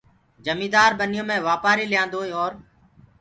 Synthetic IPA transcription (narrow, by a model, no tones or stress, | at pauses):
d͡ʒəmĩːd̪aːɾɓənɪjõːmẽːʋaːpaːɾiːlɪjãːnd̪oːeːɔːɾ